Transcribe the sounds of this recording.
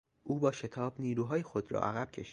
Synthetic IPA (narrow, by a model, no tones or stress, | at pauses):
ʔuːbɒːʃe̞t̪ʰɒːbniːɾuːɦɒːjexo̞d̪ɾɒ̰ːʔæɣæb̥cʰe̞̰ʃi̥